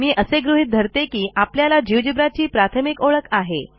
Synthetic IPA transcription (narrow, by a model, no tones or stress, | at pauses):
miːʔəseɡɾuɦit̪̚d̪ʱəɾt̪ekiːapljalad͡ʑiʋd͡ʑibɾat͡ɕiːpɾat̪ʰəmikoɭəkaɦe